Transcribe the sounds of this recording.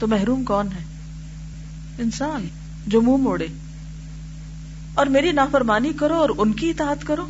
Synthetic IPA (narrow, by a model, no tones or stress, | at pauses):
t̪omɛɦɾuːmkɔːnɦɛː | ɪnsaːn | d͡ʒoːmũːmoːɽeː | ɔːɾmeːɾinaːfɐɾmaːnikɐɾoɔːɾʊnkiɪt̪aːət̪kɐɾoː